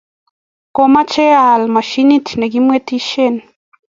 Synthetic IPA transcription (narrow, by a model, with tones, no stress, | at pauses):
ko˨ma˦t͡ʃe˦a˨lma˨ʃi˦ni˦tnɛ˨ɡi˦mwe˦ti˦ʃe˦˨n